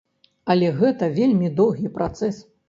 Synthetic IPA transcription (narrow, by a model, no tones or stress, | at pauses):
ɐlʲɛɣɛt̪ɐvʲelʲmʲid̪ɔwɣʲipɾʔat̪sɛs